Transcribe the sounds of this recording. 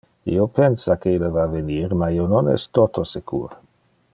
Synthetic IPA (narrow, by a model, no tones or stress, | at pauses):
ḭopɛnsakeilːəvaveniːɾmaiononɛ̰st̪ot̪ʰosekʰṵːɾ